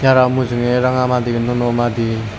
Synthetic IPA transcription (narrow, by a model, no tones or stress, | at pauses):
tjaɾamuzɯŋeɾaŋamad̪iknonomad̪i